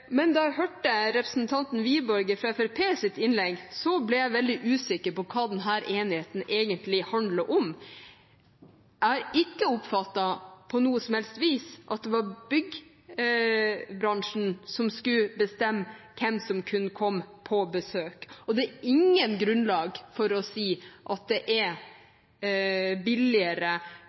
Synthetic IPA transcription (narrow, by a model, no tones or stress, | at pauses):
mɛnd̪ɑæɦøːʈːəɾɛpɾəsnt̪ʰɑnt̪n̩ʋiːbɔɾɡəfɾɑɛfɛɾpʰeːsɪt̪ɪnlɛɡsɔblɛjæɪʋɛld̪ɪʔʉːsɪkəɾpɔkʰɑːd̪ɛnɦæːɾʔeːnɪheːt̪n̩ʔeːɡənt̪lɪhɑnd̪ləʔɔm | ʔæɾɪkːəʊpfɑt̪ːɑpʰɔnuːəsɔmhɛlst̪ʋiːsʔɑ̰t̪̚d̪ɛʋɑɾbʏɡ | bɾɑŋʂn̩sɔmskʉbəst̪ɛmːkʰɛmsɔmkʰʉnːəkʰɔmːpʰɔbəsøːkɔd̪ɛːɾɪŋːənɡɾʉnlɑːɡfɔɾɔsiːʔɑt̪̚d̪ɛʔɛ | bɪlɪəɾə